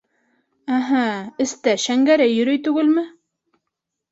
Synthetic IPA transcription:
æɦæɘ̆st̪æʃæŋɡæɾæjɵ̆ɾɵjt̪ʉɡɘlmɘ

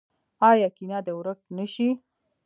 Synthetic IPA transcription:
ɑjɑkinɑd̪əwɾək̚nəʃi

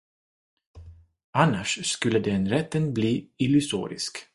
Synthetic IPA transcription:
anːaʂskɵlːəd̪ɛnɾɛt̪ːənbliːɪlɵsṵːɾɪ̰sk

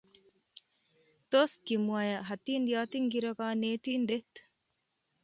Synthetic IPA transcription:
t̪oːskimuaːjɐɦɐt̪iːnd̪ijaːt̪iŋɡiɾɐɡaːneːt̪iːnd̪et̪

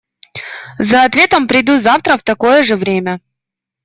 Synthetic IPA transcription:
zɐːt̪vʲe̞t̪əmpɾʲɪd̪uzaft̪ɾəft̪ɐko̞jəʐɨvɾʲemʲə

